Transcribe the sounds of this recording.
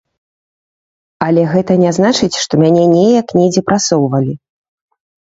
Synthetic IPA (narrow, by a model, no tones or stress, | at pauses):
ɐlʲɛɣɛt̪ɐnʲaznat͡ʂɨt͡sʲʂt̪ɔmʲanʲɛnʲɛjɐknʲɛd͡zʲɛpɾasɔwvɐlʲi